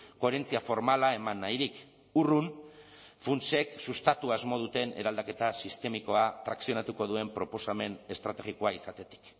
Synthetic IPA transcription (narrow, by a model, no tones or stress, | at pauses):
ko̞eɾe̞nt͡siafo̞ɾmalae̞manːajɾik | urun | funt͡ʃe̞ksust̪at̪uazmo̞ð̞ut̪e̞ne̞ɾald̪ake̞t̪asist̪e̞miko̞at̪ɾaksio̞nat̪uko̞ð̞ue̞mpɾo̞po̞same̞ne̞st̪ɾat̪e̞ɣiko̞aisat̪e̞t̪i̥k